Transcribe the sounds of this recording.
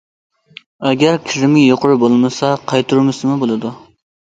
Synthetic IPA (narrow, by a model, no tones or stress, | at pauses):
ɛɡʲæɾkʲʰiɾɪmɪjoqʊɾbolˠmɨsɑqʰɑjt̪ʰuɾmɨsɨmɨbolˠɨd̪u